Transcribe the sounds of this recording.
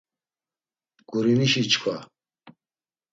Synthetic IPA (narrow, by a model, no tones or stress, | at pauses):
ɡ̥uɾiniʃit͡ʃʰkʰa